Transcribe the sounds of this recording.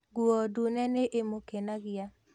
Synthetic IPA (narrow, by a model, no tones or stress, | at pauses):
ɡwɔdunɛneʔemokenaɡɪja